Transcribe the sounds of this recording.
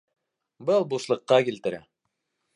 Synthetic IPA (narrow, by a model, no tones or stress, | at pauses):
bɤlˠbuslˠɤ̆qːɑkilt̪ɘ̆ɾæ̰